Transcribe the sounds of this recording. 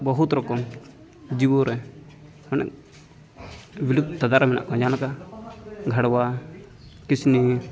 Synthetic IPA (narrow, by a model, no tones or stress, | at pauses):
bɔɦut̪ɾɔkɔm | d͡ʒibɔɾʔɛ | mɔnɛ̰k | bilud̪̚t̪ad̪aɾmɛna̰ʔkɔd͡ʒanaka | ɡʱaɽwa | kisni